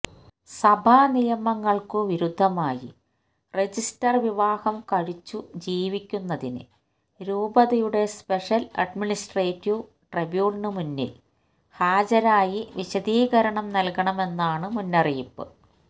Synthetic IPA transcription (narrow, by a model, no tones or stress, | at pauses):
sɐbʱanijɐmɐŋːɐɭkɨʋiɾud̪ʱːɐmaːjḭ | re̞d͡ʑistɐrʋiʋaːhɐmkɐɻit͡ɕːud͡ʑiːʋikʲːunːɐðinɨ̰ | ɾuːbɐðɐjuɽe̞speʂɐlɐ̰ɖminisʈreːtːiʋ | ʈrebjuːlnɨmunːḭl | haːd͡ʑɐɾaːjiʋiɕɐd̪iːɡɐɾɐɳɐmnɐlkɐɳɐme̞nːaːɳɨmunːɐrijipːɨ̰